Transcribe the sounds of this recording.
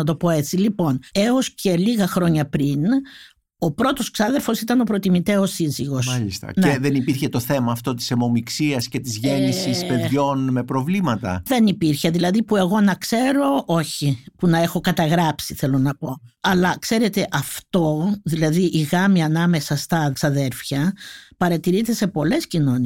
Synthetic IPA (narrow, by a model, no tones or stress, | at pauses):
ɐt̪opo̞e̞t͡silipo̞ne̞o̞sce̞liɣɐxɾo̞ɲɐpɾin | o̞pɾo̞t̪o̞sksɐðeɾfosit̪ɐno̞pɾo̞t̪imit̪e̞osiziɣo̞sɐʎist̪ɐ̰neðenipiɾçe̞t̪o̞θe̞mɐːft̪o̞t̪i̥semo̞miksiɐsce̞t̪izʝenisispe̞ðʝo̞nme̞pɾo̞vlimɐt̪ɐ̰ðe̞nipiɾçe̞ðilɐðipue̞ɣo̞nɐkse̞ɾo̞ʔoçipunɐe̞xo̞kɐt̪ɐɣɾɐpsiθe̞lo̞nɐpo̞ɐlɐkse̞ɾe̞t̪e̞ʔɐft̪o̞ðilɐðiʔiɣɐmiɐnɐme̞sɐst̪ɐsɐðe̞ɾfçɐpɐɾɐt̪iɾit̪e̞se̞po̞le̞scino̞ni